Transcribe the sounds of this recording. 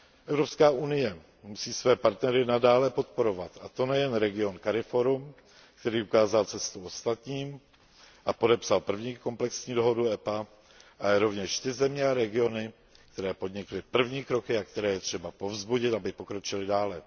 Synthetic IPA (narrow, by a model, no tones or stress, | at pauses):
ʔɛvɾopskaːunɪjɛ | musiːsvɛːpaɾt̪nɛɾɪnadaːlɛpo̞t̪̚po̞ɾo̞vat̪at̪o̞nɛjɛnɾɛɡɪo̞nkaɾɪfo̞ɾum | kt̪ɛɾiːukaːzalt͡sɛst̪uo̞st̪at̪ɲiːm | ʔapo̞dɛpsalpr̩vɲiːko̞mplɛksɲiːdo̞ɦo̞duɛpa | ʔajɛɾo̞vɲɛʃt̪ɪzɛmɲɛaɾɛɡɪo̞nɪ | k̚t̪ɛɾɛːpo̞dɲɪklɪpr̩vɲiːkɾo̞kɪakt̪ɛɾɛːjɛt̪r̝̥ɛbapo̞vzbuɟɪt̪abɪpo̞kɾo̞t͡ʃɪlɪdaːlɛ